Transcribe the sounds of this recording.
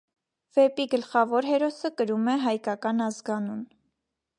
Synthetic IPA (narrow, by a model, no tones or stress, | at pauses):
vɛpiɡəlχɑvɔɾɦɛɾɔsəkəɾumɛɦɑjkɑkɑnɑzɡɑnun